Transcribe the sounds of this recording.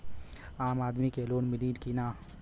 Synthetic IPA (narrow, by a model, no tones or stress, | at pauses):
aːmaːd̪mikeloːnmɪliːnkinaː